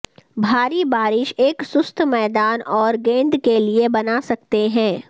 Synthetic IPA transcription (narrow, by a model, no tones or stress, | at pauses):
bʱaːɾibaːɾɪʃeːksʊst̪ʰmɛːd̪aːnɔːɾɡẽːnd̪keliebɐnasɐkt̪eɦɛ̃ː